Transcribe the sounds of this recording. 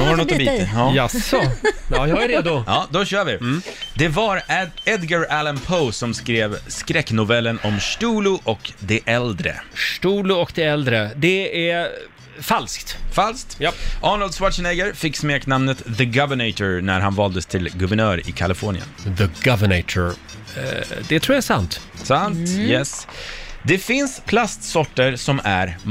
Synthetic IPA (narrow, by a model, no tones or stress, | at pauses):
hnɔt̪ːbiɑasɔɑjɑɾeːd̪ʊɑːd̪ɔɕœːɾvɪd̪ɛvaɾɛd̪ɡaɾælənpʰoːsɔmskɾeːvskɾɛkːnʊvɛlːənɔmʂʈuːlʊʔɔkd̪ɛʔɛld̪ɾə̰ʂʈuːlʊɔkd̪ɛɛld̪ɾəd̪ɛæ | falskt̪falsk̚t̪jʔɑːnəld̪swaʈʂənɛɡəɾfɪkːsmeːknamnət̪ðəɡavəɳɛɪt̪ɔɾnæɾɦanvɑːld̪əst̪ʰɪlɡɵvəɳœːɾɪ̰kʰalɪfɔːɳɪ̰ə̰nðəɡavənɛt̪ʰə | d̪ɛt̪ʰɾuːjaɛsant̪ | sant̪jɛsd̪ɛfɪnspʰlast̪sɔʈːəɾsɔmæɾ